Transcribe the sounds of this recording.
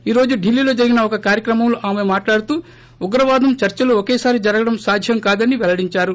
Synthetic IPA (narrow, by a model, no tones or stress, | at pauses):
iːɾo̞ːd͡ʒuɖilːiːlo̞ːd͡ʒɐɾiɡinɐɔkɐkaːɾjɐkɾɐmɐmloʔaːme̞maːʈlaːɽut̪uː | uɡɾɐʋaːd̪ɐmt͡ʃɐɾt͡ʃɐluɔkeːsaːɾid͡ʒɐɾɐɡɐɽɐmsaːd̪ʱjɐmkaːd̪ɐniʋɛlɐɽiɲt͡ʃaːɾu